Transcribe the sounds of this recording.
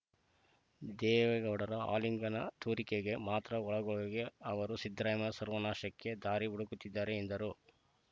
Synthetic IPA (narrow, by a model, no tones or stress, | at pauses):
d̪ɛːʋɛɡɐʋɽɐɾɐa̰ːliŋɡɐnɐt̪ʰuːɾikeɡe̞maːt̪ɾɐɔɭɐɡɔɭɐɡeɐʋɐɾusid̪ɾaːjɐmɐsɐɾʋɐnaːʃɐkːe̞d̪aːɾiuɽukut̪ːid̪ːaːɾeːnd̪ɐɾu